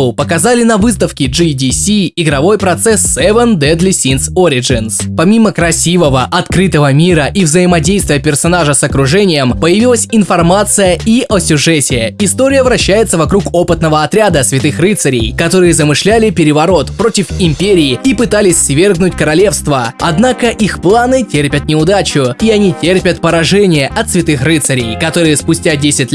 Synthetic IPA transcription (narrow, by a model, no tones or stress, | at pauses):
ʊpəkɐzalʲɪnɐvɨst̪əfkʲɪd͡ʐɨdʲisʲiːɡɾɐvo̞jpɾɐt̪sɛsːɛvənd̪ɛd̪lʲɪsʲinsoɾʲɪʐɨnspɐmʲiməkɾɐsʲivəvəʔɐt̪kɾɨt̪əvəmʲiɾəʔivzəjɪmɐdʲejst̪vʲɪjəpʲɪrsɐnaʐəsɐkɾʊʐɛnʲɪjəmpəjɪvʲilˠəsʲɪnfɐrmat̪sɨjəiʔɐsʲʊʐɛsʲɪjəɪst̪o̞ɾʲɪjəvɾɐɕːæjɪt̪səvɐkɾuko̞pɨt̪nəvəɐt̪ɾʲad̪əsvʲɪt̪ɨxrɨt̪səɾʲɪ̰jkɐt̪o̞ɾɨjəzəmɨʂlʲælʲɪpʲɪɾʲɪvɐɾo̞t̪pɾo̞tʲɪfɪmʲpʲeɾʲɪːipɨt̪alʲɪsʲsvʲe̞rɡnʊtʲkəɾɐlʲe̞fst̪vəɐ̰d̪nakəʔixplˠanɨtʲerpʲət̪nʲɪʊd̪at͡ɕʊiɐnʲitʲerpʲət̪pəɾɐʐɛnʲɪjəʔɐt̪svʲɪt̪ɨxrɨt̪səɾʲɪjkɐt̪o̞ɾɨjəspʊsʲtʲadʲesʲɪtʲ